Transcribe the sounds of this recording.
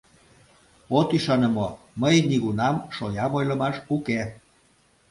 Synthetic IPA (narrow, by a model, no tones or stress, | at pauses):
ot̪yʃɑnə̆mo | məjniɣunɑmʃojɑmojlɤ̆mɑʃuke